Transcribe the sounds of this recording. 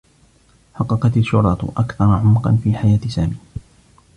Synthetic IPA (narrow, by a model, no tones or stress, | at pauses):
ħɑqːɑqɑt̪alʃʊɾˤɑt̪ʔakθɑɾˤɑʕʊmqɑ̰nfiːħajaːt̪ɪsaːmiː